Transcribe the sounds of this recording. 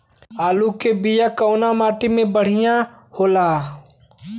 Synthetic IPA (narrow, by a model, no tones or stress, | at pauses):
aːlukebijakəʊnamaːʈimẽbəɽ̤ijã | hoːlaː